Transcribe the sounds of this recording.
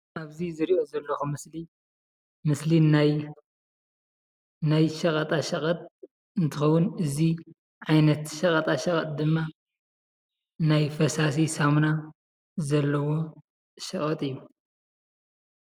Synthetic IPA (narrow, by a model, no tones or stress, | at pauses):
ʔaβzizɨɾiʔo̞zɐlːɐxumɨsli | mɨslinaj | najʃɐkʼɐt̪ʼaʃɐkʼɐt̪̚ʼ | ɨnt̪ʰɨxɐwːʊnɨzi | ʕajnɐt̪ʃɐkʼɐt̪ʼaʃɐkʼɐt̪̚ʼd̪ɨmːa | najfɐsas̬isamna | zɐlːɐwo̞ | ʃɐχʼɐt̪ʼɨjːu